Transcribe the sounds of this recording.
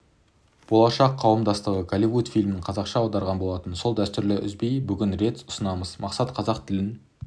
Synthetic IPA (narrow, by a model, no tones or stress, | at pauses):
b̥o̞lˠɑʃɑqʰːɑwəmd̪ɑst̪əʁəɡʰolivut̪fijlʲmɪɴqʰɑzɑqʃɑːwd̪ɑɾʁɑnbo̞lˠɑt̪ənso̞lˠd̪æst̪ʏɾlɪʔʏzbejbʏɡʲɪnɾe̞t̪sʊ̥sənɑməzmɑqsɑt̪qʰɑzɑqt̪ʰɪlɪn